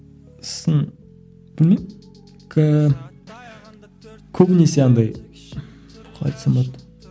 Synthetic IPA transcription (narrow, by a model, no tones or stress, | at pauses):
sən | b̥ɪlmem | kʰə | kʲʰɵbɪneseɑnd̪ɑj | qʰɑ̰jt̪səmot̪